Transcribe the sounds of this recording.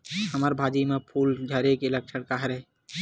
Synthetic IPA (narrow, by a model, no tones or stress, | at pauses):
həməɾbʱaːd͡ʒimẽpʰuːld͡ʒʱəɾekɪlək̚t͡ʃʰəɽkaɦəɾɛ